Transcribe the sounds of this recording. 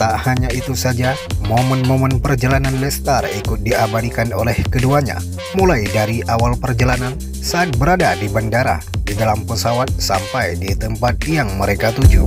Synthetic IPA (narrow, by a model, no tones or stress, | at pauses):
t̪aʔhaɲaʔit̪usad͡ʒamomənmomənpərd͡ʒalananlɛst̪arikʊt̪̚diabalikanolɛhkəduaɲa̰ | mulajdaɾiʔawalpərd͡ʒalanan | saːt̪̚bəɾadadibandaɾa̰didalampəsawat̪̚sampajdit̪əmpat̪̚jaŋməɾekat̪ud͡ʒu